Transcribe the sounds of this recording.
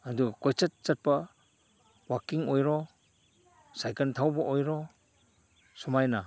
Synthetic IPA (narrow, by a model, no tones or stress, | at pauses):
adukɔjt͡ʃat̚t͡ʃat̚pa | wakːiŋojɾɔ | sajkantʰawbɐʔojɾɔ | sɔmajna